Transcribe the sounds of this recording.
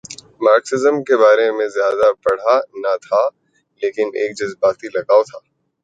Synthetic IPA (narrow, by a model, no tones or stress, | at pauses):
maːɾksɪzəmkebaːɾemẽzjaːd̪apɐɽ̤anat̪ʰa | leːkɪneːk̚d͡ʒɐzbaːt̪ilɐɡaːot̪ʰaː